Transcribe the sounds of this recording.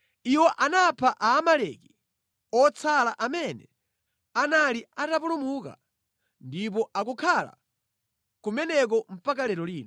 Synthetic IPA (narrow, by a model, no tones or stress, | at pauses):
iwɔʔanapʰaʔaːmalɛki | ɔt͡sʰalaʔamɛnɛ | analiatapulumuka̰ | ndip̬ɔʔakukʰala̰ | kumɛnɛk̬ɔm̩pakalɛɾɔliːnɔ